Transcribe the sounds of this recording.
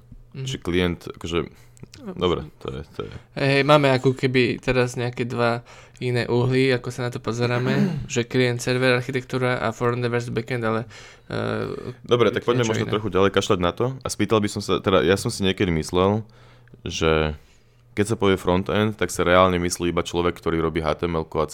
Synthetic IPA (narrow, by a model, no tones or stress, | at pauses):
ʒɛkliɛnt̪akɔʒɛ | d̪ɔbɾɛ̰t̪ɔ̰jɛ̰t̪ɔ̰jɛ̰ɛɦɛjmaːmɛakɔkɛbit̪ɛɾazɲɛakɛd̪ʋa | inɛːʔuɦliakɔsanat̪ɔpɔzɛɾaːmɛʒɛkliɛnt̪sɛɾʋɛɾaɾxit̪ɛkt̪uːɾaʔa̰fɔɾnd̪ɛʋɛɾzbɛkɛnd̪alɛ̰ | d̪ɔbɾɛt̪akpɔɟmɛmɔʒnɔn̰ɾɔxuɟalɛjkaʃlaɟnat̪ɔaspiːt̪albisɔmsa̰t̪ɛd̪a̰jasɔmsiɲɪɛkɛd̪imislɛl | ʒɛ | kɛcsapɔʋɪɛfɾɔnt̪ɛnt̪t̪aksaɾɛaːlɲɛmisliːibat͡ʃlɔʋɛkːt̪ɔɾiːɾɔbiːɦa̰ːt̪ɛmɛlkuat͡s